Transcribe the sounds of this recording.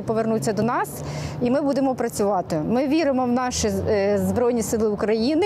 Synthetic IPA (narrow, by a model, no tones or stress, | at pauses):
pɔʋernut͡sʲːɐd̪ɔnɑsimɪbud̪ɪmɔpɾɐt͡sʲʊʋɑt̪ɪmɪʋʲiɾɪmɔwnɑʃizbɾɔjnʲisɪlˠɪʊkɾɐjinɪ